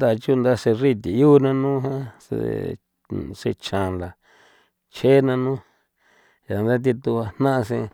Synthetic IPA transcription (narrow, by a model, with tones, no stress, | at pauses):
d̪a˧˨˧t͡ʃu˦˧nd̪a˧ʂe˧ri˦t̪i˨juː˦nã˧nũː˦ɦã˦sḛ˧ | ʂḛ˧t͡ʃã˨nla˨ | t͡ʃʰe˦nã˧nũː˦ | ja˨nd̪a˦t̪̬i˧t̪u˧a˧nã˦ʔa˧sẽ˧